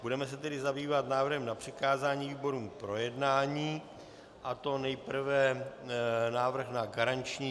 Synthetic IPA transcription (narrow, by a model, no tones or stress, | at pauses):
b̥udɛmɛs̬ɛt̪ɛdɪzabiːvat̪naːvr̩ɦɛmnapr̝̥ɪkaːzaːɲiːviːbo̞ɾuːmpɾo̞jɛdnaːɲiː | ʔat̪o̞nɛjpr̩vɛ | naːvr̩xnaɡaɾant͡ʃɲiː